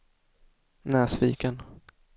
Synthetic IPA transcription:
nɛːsfiːkən

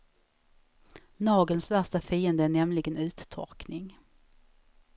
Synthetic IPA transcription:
nɑːɡəlsvæʂʈafiːənd̪əæɳɛmlɪɡənʉ̟ːt̪t̪ʰɔ̰ɾknɪŋ

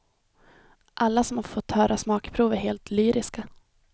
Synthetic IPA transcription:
ʔalːasɔmhaɾfɔt̪ːhœːɾʔasmɑːkpʰɾuːvæɾheːlt̪ʰlyːɾʔɪska

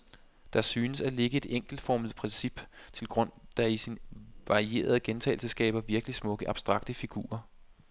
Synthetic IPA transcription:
d̥ɑ̈syːnəsæle̝ɡ̥əe̝d̥eŋ̰ɡ̥l̩d̥fɒmð̩ˠpʰʁɛnsib̥t͡sʰe̝lɡ̥ʁɔ̽n̰d̥ɑ̈isinʋɑ̈ʁie̝̰ːɐð̞ˠɡ̥ent͡sʰɛ̰ɪlsəsɡ̥ɛ̰ːb̥ɐʋiɐɡ̥əlismɔ̽ɡ̥əʔɑ̈b̥sd̥ʁɑ̈ɡ̥d̥əfiɡ̥ṵːɐ

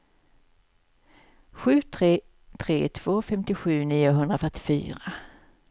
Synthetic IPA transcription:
ɧʉ̟ːt̪ʰɾeː | t̪ʰɾḛːt̪ʰv̥oːfɛmt̪ɪɧʉ̟ːniːʊɦɵnd̪ɾafœʈːɪ̥fy̰ːɾa

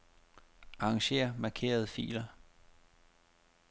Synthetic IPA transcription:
ɑ̈ːŋɕe̝̰ːɐmɑ̈kʰe̝̰ːɐð̞ˠfḭːlɐ

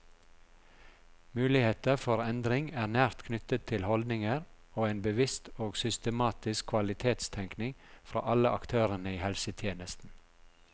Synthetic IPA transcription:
mʉːlɪheːt̪əfɔɾɛnd̪ɾɪŋæːʁnæːɾt̪kʰnʏt̪ət̪ʰɪlhɔld̪nɪŋəɾ | oːeːnbəʋɪst̪oːɡsʏst̪əmɑːt̪ɪskʰʋɑlɪt̪ʰeːt̪st̪ʰɛŋknɪŋfɾɑ̰ːʔɑləʔɑkt̪ʰøːɾənəiːhɛlsət̪ʰjeːnəst̪n̩

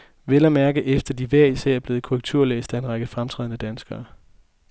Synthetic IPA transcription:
ʋelɐmæɐɡ̥əʔefd̥ɐd̥iʋæɐ̰isæ̰ɐ̰ɐb̥e̝ːð̩ˠkʰoʁɛɡ̥̚t͡sʰuɐ̰lḛːsd̥æe̝nʁɑ̈ɡ̥əfʁamt͡sʰʁɛ̰ːðˠnəd̥ænsɡ̥ɐː

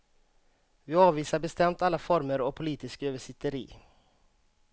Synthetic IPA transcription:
ʋiːɑːʋʋiːsabɛst̪ɛmt̪alːafɔɾməɾoːpʰʊliːt̪ɪskøːʋəʂɪt̪əɾḭː

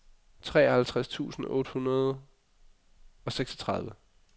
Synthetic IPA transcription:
t͡sʰʁɛ̰ːɒhælt͡sʰʁast͡sʰṵːsn̩ʔɔ̰̽ːd̥əhunɐð̞ˠ | ɒ̽seɡ̥sɒ̥t͡sʰʁɑ̈ð̞ˠʋə

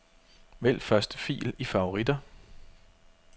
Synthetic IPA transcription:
ʋel̰fɶɐsd̥ə̥fḭːlifɑ̈o̝ʁid̥ɐ

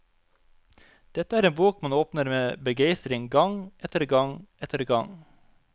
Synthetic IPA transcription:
d̪̥ɛt̪əæːɾeːnbuːkmɑnoːpnəɾmeːbəɡeɪst̪ɾɪŋɡɑŋʔɛt̪əɾɡɑŋɛt̪əɾɡɑŋ

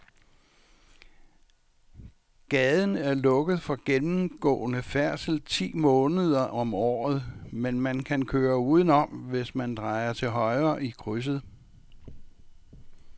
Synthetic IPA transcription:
ɡ̥ɛðˠn̩æɐlɔ̽ɡ̥ð̞̩ˠfɒ̽ɡ̥enm̩ɡ̥ɔ̰̽ːnəfæɐsl̩t͡sʰḭːmɔ̽ːnəð̞ˠɐʔɒ̽mɒ̰ːð̞̩ˠmenmænkʰænkʰøːɐuːð̞ˠn̩ɒ̽mʋe̝smænd̥ʁɑ̈ɪɐt͡sʰe̝lɦɒ̽ɪɐʔikʰʁys̬ð̩ˠ

